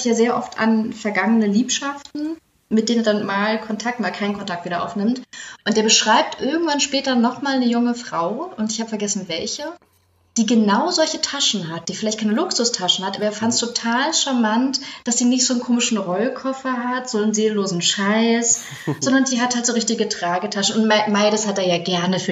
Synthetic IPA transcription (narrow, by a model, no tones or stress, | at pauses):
ɪçjaːzeːɐʔɔfta̰nfɛɐɡaŋənəliːpʃaftn̩ | mɪt̚d̥eːneɐdanmaːlkʰɔntʰak̚tmaːlkʰaɪnənkʰɔntʰak̚tv̥iːɾɐʔa̰ʊfnɪmtʔʊnt̚d̥eːɐbəʃʁ̥aɪp̚tʔɪɐɡŋ̩tv̥anʃpɛːtɐnɔχmaːlnəjʊŋəfʁ̥aʊʊntɪçhaːbəfɛɐɡɛsn̩vɛlçə | d̥iːɡənaʊzɔlçətʰaʃn̩ɦat̚d̥iːfɪlaɪçtkʰaɪnəlʊksʊstʰaʃn̩hatʔaːbɐeːɐfantstʰotʰaːlʃamantd̥asd̥iːnɪçtz̥oːnkʰoːmɪʃn̩ʁɔlkʰɔfɐɦatz̥oːnnzeːllːoːzn̩ʃaɪs | z̥ɔndɐndiːɦathaltzoːʁɪçtɪɡətʁ̥aːɡətʰaʃn̩ʊntmaɪdəshat̚deːɐjaːɡɛɐnəfyː